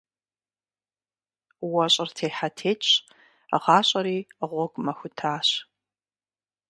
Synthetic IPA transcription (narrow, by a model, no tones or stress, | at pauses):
wɐɕʼɪrtʰeːħatʰeːt͡ʃʼ | ʁɑːɕʼɐɾiːʁʷɔɡʼmɐxʷʊtʰaːɕ